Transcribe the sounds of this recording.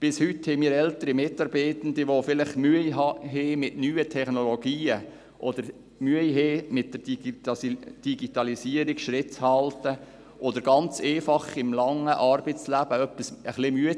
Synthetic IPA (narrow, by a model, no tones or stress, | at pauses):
b̥ɪshʏthɛɪmiːɾɛlt̪əɾimɪtːɑɾbeɪt̪ən̩d̪iʋofɪlɪχmyəjɦɑɦemɪtnyːətʰɛχnɔloɡ̥iːə | ʔɔd̪əɾ | myəjɦeːmɪt̚d̥əɾɑsd̥iɡitɑlisiəɾikʃɾɪtt͡shɑltə | ʔɔd̪əɾɡɑnt͡seːfɑχɪmlɑŋːəʔɑːɾbət͡slæb̥əœpːisəχlɪmyə